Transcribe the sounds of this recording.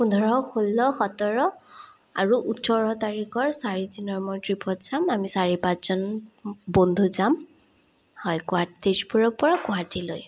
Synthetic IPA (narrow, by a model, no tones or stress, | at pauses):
xundʱɔɹɔkʰolːɔxɔtɔɹɔ | aɹuʔutːɔɹɔtaɹikɔɹsaɹidinɔɹmɔtɹipʰɔtz̥amamisaɹipatz̥ɔnbond̪ʱuzam | hɔjɡɔɦatitespɔɹɔpɔɹakɔɦatilo̰j